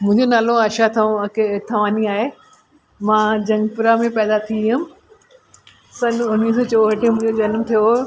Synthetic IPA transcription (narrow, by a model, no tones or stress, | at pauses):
mʊ̃ɦɪ̃ɲd͡ʑonaːloɐʃat̪ʰkt̪ʰɐʋaːniaːɦe | mãːd͡ʑɐ̃ŋɡpʊɾamẽpɛːd̪at̪ʰiɦʊm | sɐ̃nʊniːsot͡ɕoːɦəʈimʊ̃ɦɪ̃ɲd͡ʑod͡ʑɐnmt̪ʰijo